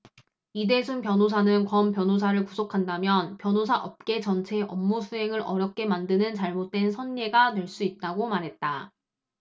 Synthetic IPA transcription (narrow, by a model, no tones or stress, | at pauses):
ide̞sʰunpjʌnosʰanɯnkʌmpjʌnos̬ʰaɾɯɭkusʰokʰandamjʌnpjʌnosʰaʔʌp̚k͈e̞t͡ɕʌnt͡ɕʰe̞ʔʌmːusʰuɦe̞ŋɯɾʌɾjʌp̚k͈e̞mandɯnɯnt͡ɕaɭmot̚t͈we̞nsʰʌnːe̞ɡanweɭs͈uit̚t͈aɡomaɾɦe̞t̚t͈a